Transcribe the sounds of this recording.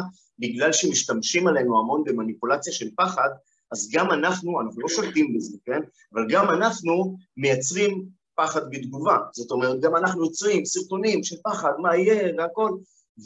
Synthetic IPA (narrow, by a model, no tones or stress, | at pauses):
biɡlalʃemiʃt̪amʃimale̞nuamo̞nbe̞manipulat͡sjaʃe̞lpaχad̪ | azɡamanaχnuanaχnuloʃolt̪imbezeken | avalɡamanaχnume̞jat͡sʁim | paχad̪bed̪ɡuvaz̥o̞t̪o̞meʁt̪̚ɡamanaχnujot͡sʁimsiʁt̪o̞nimʃelpaχad̪maije̞veako̞l | v